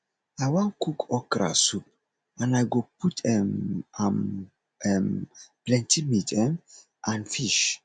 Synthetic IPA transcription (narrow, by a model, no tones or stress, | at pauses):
ajwãnkukɔkɾa̰sup̚ | ãnajɡoputɛmam | ɛmplɛ̃ntimitɛm | ʔãnfiʃ